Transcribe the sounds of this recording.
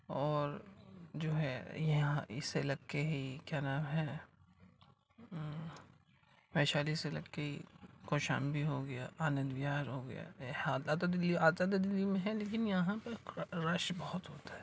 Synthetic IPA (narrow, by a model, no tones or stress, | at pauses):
ɔːɾd͡ʒoːɦɛjɐɦɦãɪ̰selɐɡeɦikjaːnaːmɦɛ | ʋɛːʃaːliselɐ̰kːeɦikoːʃa̰ːmbʱiɦoɡɐja̰aːnə̃nd̪ʋijaːɾɦoɡɐja̰ːad̪aːt̪ad̪ɪliaːzad̪d̪ɪlːimẽɦɛ̃leːkɪnjɐɦãpɐɾɐʃbɐɦʊt̪ɦoːt̪ḁɦɛ